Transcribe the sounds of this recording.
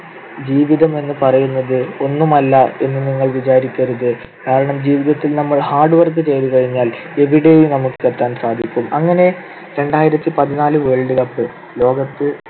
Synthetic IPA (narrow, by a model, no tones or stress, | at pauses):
d͡ʑiːʋiðɐme̞nːɨpɐrɐjunːɐðɨo̞nːumɐlːɐe̞nːɨniŋːɐɭʋid͡ʑaːɾikʲːɐɾuðɨ | kaːɾɐɳɐmd͡ʑiːʋiðɐt̪ːilnɐmːɐɭhaːrɖɨʋɐrɡɨt͡ɕe̞jðukɐɻiɲːaːl | e̞ʋiɽe̞jumnɐmukːɨet̪ːaːnsaːd̪ʱikʲːumɐŋːɐne̞ | ɾe̞ɳɖaːjiɾɐt̪ːipɐðinaːlɨʋeːɭɖɨkɐpːɨ | lo̞ːɡɐt̪ːɨ